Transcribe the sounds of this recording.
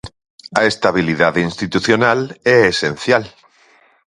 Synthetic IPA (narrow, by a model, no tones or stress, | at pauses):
aest̪aβiliðaðinst̪it̪uθjonaleesen̟θjal